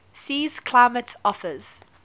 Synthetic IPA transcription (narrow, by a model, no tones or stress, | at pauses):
siːz̥kʰl̥aɪmətʰɔfəz̥